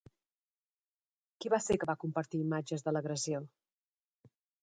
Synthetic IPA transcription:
kiβasekəβakumpəɾt̪iimad͡ʒəzðələɣɾəzio

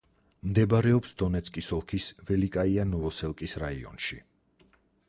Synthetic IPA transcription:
md̪ɛbɾɛɔpsd̪ɔnɛt̪sʰkʼisɔlˠkʰisvɛlikʼaianɔvɔsɛlˠkʼisɾaiɔ̰nʃi

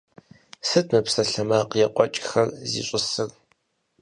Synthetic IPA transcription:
sɨtʰmɨpsɐɬɐmaːqjɛqʷʼɔt͡ʃʼxɐrzḭːɕʼɪsɨr

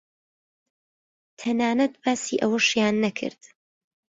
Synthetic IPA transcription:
t̪ʰɐnaːnɐt̪̚baːsiːʔɐwɐʃjaːnːɐkʰɨ̰ɾd̪̥

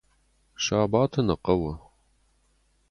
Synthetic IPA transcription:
ʃaːbaːtʰɐnɐqɐwɐ

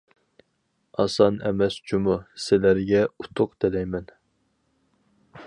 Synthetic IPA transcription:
ɑsɑnɛmɛst͡ʃʰumusɪlæɾɡʲɛut̪ʰʊqd̪ɪlɛjmɛn

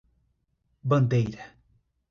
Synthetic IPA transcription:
bɐ̃nd̪ejɾa

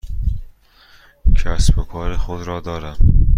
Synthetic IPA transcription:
kʰasbokʰɒːɾexod̪ɾɔːd̪ɒːɾam

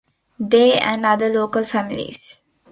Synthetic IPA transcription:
d̪eːæ̰̃ɳɖʌd̪əloːkəlfæmilḭz̥

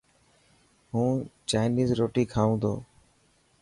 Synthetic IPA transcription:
ɦũːt͡ʃaːɪniːzɾoːʈiːkʰaːũːd̪o̰ː

